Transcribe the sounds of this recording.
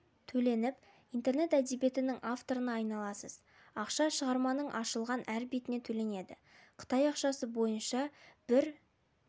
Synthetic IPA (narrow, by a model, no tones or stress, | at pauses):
t̪ʰɵle̞nɪp | ijnt̪e̞ɾne̞t̪æd̪ebje̞t̪ɪnɪŋʔaft̪o̞ɾənɑɑjnɑlˠɑsəz | ɑqʃɑʃəʁɑɾmɑnəɴʔɑʃəlˠʁɑnʔæɾbet̪ɪne̞t̪ʰɵle̞ne̞d̪ɪ̰ | qʰə̥t̪ɑjɑqʃɑsəbo̞jənʃɑb̥ɪɾ